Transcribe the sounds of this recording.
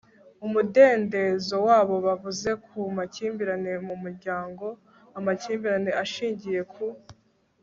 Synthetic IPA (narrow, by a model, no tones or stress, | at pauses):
umude̞ːnde̞zo̞waːβo̞βavuze̞kumaciːmbiɾane̞mumuɾɟaːŋɡo̞ | amaciːmbiɾane̞aʃiːɲɟije̞kʰu